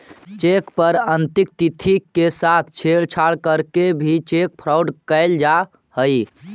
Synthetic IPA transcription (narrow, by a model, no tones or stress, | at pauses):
t͡ʃekpəɾənt̪ik̚t̪it̪ʰikesat̪ʰt͡ʃʰeɭt͡ʃʰaɽkəɾkebʱit͡ʃek̚pʰɾawɖkəɪld͡ʒa | həj